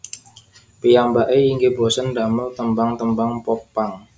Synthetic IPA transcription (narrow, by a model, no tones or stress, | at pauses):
pijambaʔeiŋɡebosəndaməlt̪əmbaŋt̪əmbaŋpɔpaŋ